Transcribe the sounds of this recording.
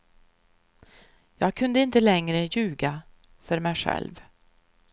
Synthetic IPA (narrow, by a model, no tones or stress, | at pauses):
jɑːɡ̚kʰɵnd̪əɪnt̪əlɛŋɾəjʉ̟ːɡa | fœɾmɛjɧɛ̰lv